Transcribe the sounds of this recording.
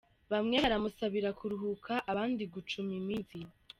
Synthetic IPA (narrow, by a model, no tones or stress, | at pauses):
βamŋeβaɾamusaβiɾakuɾuɦukʰaʔaβaːndiɡut͡ʃumimiːzi